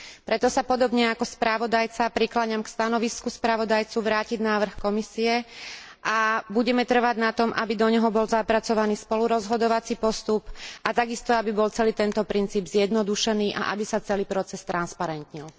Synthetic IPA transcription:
pɾɛt̪ɔsapɔd̪ɔbɲɛakɔspɾaʋɔd̪ajt͡sapɾiklaɲamkst̪anɔʋiskuspɾaʋɔd̪ajt͡suʋɾaːciɟnaːʋr̩xkɔmisiɛ | ʔabuɟɛmɛt̪r̩ʋaɟnat̪ɔmʔa̰bid̪ɔɲɛɦɔbɔlzapɾat͡sɔʋaniːspɔluɾɔzɦɔd̪ɔʋat͡sipɔst̪upʔat̪aɡist̪ɔabibɔlt͡sɛliːt̪ɛnt̪ɔpɾint͡siːbzjɛd̪nɔd̪uʃɛniːʔa̰ʔa̰bisat͡sɛliːpɾɔt͡sɛst̪ɾanspaɾɛnt̪ɲil

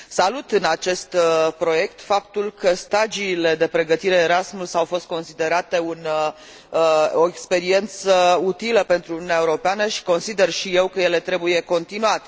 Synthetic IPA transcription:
salut̪ɨnat͡ʃe̞st̪pɾo̞je̞kt̪fapt̪ulkəst̪ad͡ʒiːle̞d̪e̞pɾe̞ɡət̪iɾe̞ːɾasmulsawfo̞st̪̚ko̞nsid̪e̞ɾat̪e̞un | o̞ekspe̞ɾie̞nt̪səut̪iləpe̞nt̪ɾuniuneaeuɾo̞peanəʃi̥ko̞nsid̪e̞rʃije̞wkəje̞le̞t̪ɾe̞buje̞ko̞nt̪inuat̪e

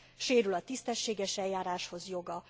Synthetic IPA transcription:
ʃeːɾylɒt̪ist̪ɛʃːeːɡɛʃɛjjaːɾaːʃho̞zjo̞ɡɒ

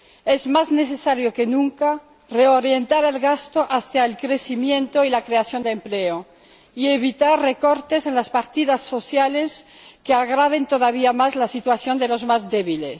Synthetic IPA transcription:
ezmazneθesaɾjoke̞nũŋka | reoɾje̞nt̪aɾe̞lɣast̪oʔaθjaelkɾesimjẽ̞nt̪oilakɾe̞aθjo̞nd̪empleo | ieβit̪arre̞ko̞ɾt̪e̞senlaspaɾt̪iðasːo̞θjaleskeaɣɾaβ̞e̞nt̪oðaβ̞iamazlasit̪waθjo̞nd̪e̞lo̞zmazðeβiles

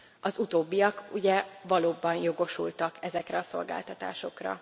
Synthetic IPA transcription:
ɒzut̪oːbːijɒkuɟɛvɒloːbɒnjo̞ɡo̞ʃṵlt̪ɒkʰɛzɛkrɛɒso̞̰lɡa̰ːlt̪ɒt̪a̰ːʃo̞krɒ̰

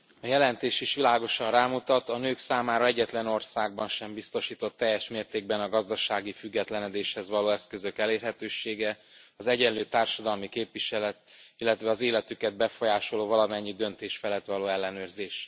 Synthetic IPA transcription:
ɒjɛlɛnt̪eːʃiʃʋilaːɡo̞ʃɒrraːmut̪ɒt̪ɒnøːksaːmaːɾɒɛɟːɛt̪lɛno̞rsaːɡ̚bɒnʃɛmbist̪o̞ʃiːt̪o̞t̪ːɛjːɛʃmeːrt̪eːɡ̚bɛnɒɡɒzd̪ɒʃaːɡifyɡːɛt̪lɛnɛd̪eːʃhɛzʋɒloːɛskø̞zø̞kɛleːrɦɛt̪øːʃeːɡɛɒzɛɟɛnløːt̪aːrʃɒd̪ɒlmikeːpviʃɛlɛt̪ilːɛt̪ʋɛɒzeːlɛt̪ykɛd̪̚bɛfo̞jaːʃo̞loːvɒlɒmɛɲːid̪ø̞nt̪eːʃfɛlɛt̪ʋɒloːɛlːɛnøːrzeːʃ

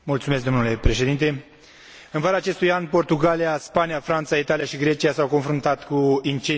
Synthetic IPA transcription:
mult̪sumesk̚d̪o̞mnule̞pɾe̞ʃe̞d̪int̪e̞ | ɨnvəɾaːt͡ʃe̞st̪ujanpo̞rt̪uɡaliaspanijafɾant̪sait̪alijaʃiɡɾe̞t͡ʃiasawko̞nfɾunt̪at̪kuint͡ʃe

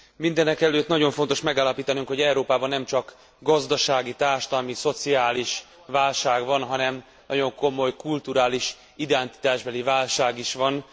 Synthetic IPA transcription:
mind̪ɛnɛkɛløːt̪nɒɟo̞ɱfont̪o̞ʃmɛɡaːlɒpiːt̪ɒnyŋkho̞ɟɛuɾoːpaːbɒnːɛmt͡ʃɒk | ɡɒzd̪ɒʃaːɡit̪aːrʃɒ̥t̪ɒlmiso̞t̪siaːliʃ | vaːlʃaːɡvɒnɦɒnɛm | nɒɟo̞ŋko̞mo̞jkult̪uɾaːliʃ | id̪ɛnt̪i̥t̪aːʒbɛlivaːlʃaːɡiʃʋɒn

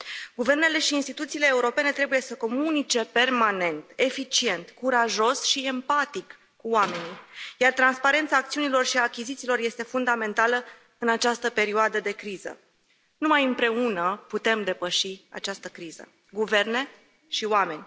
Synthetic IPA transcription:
ɡuve̞rne̞le̞ʃiːnst̪it̪ut̪siːle̞ːuɾo̞pe̞ne̞t̪ɾe̞buje̞səko̞munit͡ʃe̞pe̞rmane̞nt̪e̞fit͡ʃie̞nt̪kuɾaʒo̞sʃie̞mpat̪ikː | uoame̞nijart̪ɾanspaɾe̞nt̪saːk̚t̪siunilo̞rʃiakʲizit̪silo̞rje̞st̪e̞fund̪ame̞nt̪alə | ɨnat͡ʃast̪əpe̞ɾioad̪əd̪e̞kɾizə̰ | numajɨmpɾe̞unəput̪e̞md̪e̞pəʃia̰t͡ʃast̪əkɾiz̥ə̰ | ɡuve̞rne̞ | ʃiwame̞nʲ

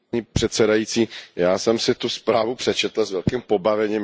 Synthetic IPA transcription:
ɲiːpr̥ɛt̪sɛdajiːt͡siːjaːsɛmsɪt̪uspɾaːvupr̥ɛt͡ʃɛt̪l̩zvɛlkimpo̞bavɛɲim

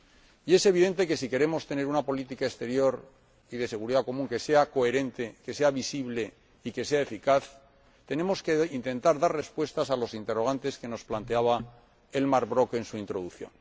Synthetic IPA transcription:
ie̞se̞β̞iðe̞nt̪e̞ke̞sike̞ɾe̞mo̞st̪e̞ne̞ɾunapo̞lit̪ikaest̪e̞ɾjo̞ɾ | iðe̞se̞ɣ̞uɾiðako̞mũŋke̞se̞ako̞e̞ɾẽ̞nt̪e̞ke̞se̞aβisiβle̞ | ike̞se̞aefikaθ | t̪e̞ne̞mo̞skeint̪ẽ̞nt̪aɾðare̞spwe̞st̪asalo̞sint̪e̞ro̞ɣ̞ant̪e̞ske̞no̞splant̪e̞aβa | e̞lmaɾβɾo̞ke̞nsuint̪ɾo̞ðuθjo̞̰n

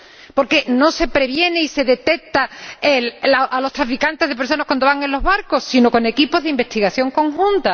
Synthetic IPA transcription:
po̞ɾke̞no̞se̞pɾe̞βje̞neise̞ðe̞t̪e̞k̚t̪aellaʔalo̞st̪ɾafikant̪e̞zðep̬eɾs̬o̞nakwand̪oaŋẽ̞nlo̞ɦβaɾko̞ssino̞ko̞ne̞kipo̞zðeimbe̞st̪iɣaθjo̞ŋko̞ŋxũnt̪a

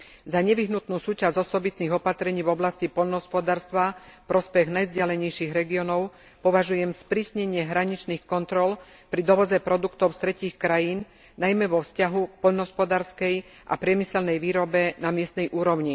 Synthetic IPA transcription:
zaɲɛʋiɦnut̪nuːsuːt͡ʃazɔsɔbit̪niːɣɔpat̪ɾɛɲiːvɔblascipɔʎnɔɦɔspɔd̪aːɾst̪ʋafpɾɔspɛɣnajvzɟɪalɛɲɛjʃiːɣɾɛɡiɔnɔʊ | pɔʋaʒujɛmspɾiːsɲɛɲɪɛɦɾaɲit͡ʃniːxkɔnt̪ɾɔl | pɾid̪ɔʋɔzɛpɾɔd̪ukt̪ɔʊst̪ɾɛciːxkɾajiːn | najmɛʋɔfscaɦuk̚pɔʎnɔɦɔspɔd̪aːɾskɛj | ʔa̰pɾɪɛmisɛlnɛjʋiːɾɔbɛnamɪɛst̪nɛjʔuːɾɔʊɲi

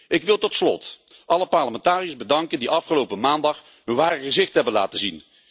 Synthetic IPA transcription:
ʔɪkʋɪlˠtɔtslɔ̰t | ʔɑləpɑɹləmɛntaːrijəzbədɑŋkəndiʔɑfχəlowpəmaːndɑχ | ɦɵnʋaːrəχəzɪχtɦɛbənla̰ːtəzin

